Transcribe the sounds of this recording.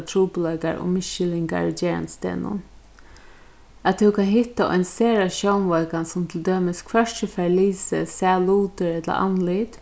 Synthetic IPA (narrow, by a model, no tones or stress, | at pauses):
t̪ʰɾuːpəlœːka̰ɹɔ̰mɪʃɪlɪŋka̰ɹd͡ʒeːɹa̰nst̪ḛːnʊ̰n | at̪ʰːɛwkʰanɦɪht̪ːaʔɔ̰jnseːɾaʃjownʋɔkansʊmt̪ʰɪld̪øːmɪskʰʋœt͡ʃəfɛɹliːsə̰saluːt̪əɹɛt̪la̰ʔa̰nlit̪